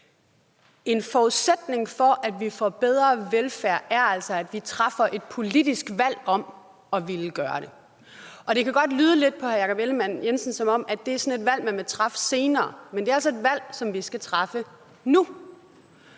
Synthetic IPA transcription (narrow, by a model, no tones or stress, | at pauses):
e̝nfɒuðˠsed̥ne̝ŋfɒ̽ʔæd̥ʋifɒb̥eð̞ˠʁɐʋelfæɐ̰ʔæɐæl̰sɒæd̥ʋit͡sʰʁɑfɐʔe̝d̥̚pʰo̝lid̥isɡ̥ʋæl̰ɒ̽m̰ | ɒ̽ʋiləɡ̥ɶːɐ̰ɾe̝ | ʔɒ̽ɾ̥e̝kæɡ̥ɒ̽d̥lyːð̞ˠəle̝d̥̚pʰɒ̽hæɐjɑ̈kʰɒ̽b̥eləmæn̰jensən̩sɒ̽mɒ̽m̰æd̥d̥e̝æɐsɒ̽ne̝d̥ʋæl̰mænʋet͡sʰʁɑ̈fə̥se̝ːnɐːmend̥e̝æɐælsɒ̽e̝d̥ʋæl̰sɒ̽mʋisɡ̥æt͡sʰʁɑ̈fə | nu